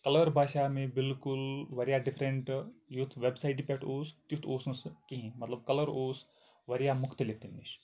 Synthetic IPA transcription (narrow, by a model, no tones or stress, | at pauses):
kɐlɐɾbʱaːʃaːmẽbilkulʋɐɾijaːɖifʰɾeɳʈjut̪ʰʋebsaiʈipʲeʈoːst̪jut̪ʰoːsnɐskiɦĩmɐt̪lɐbkɐlɐɾoːs | ʋɐɾijamukʰt̪ilet̪imniʃ